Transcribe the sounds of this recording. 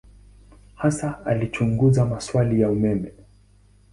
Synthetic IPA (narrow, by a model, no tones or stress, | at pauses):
hasaalit͡ʃuŋɡuzamaswalijaumɛmɛ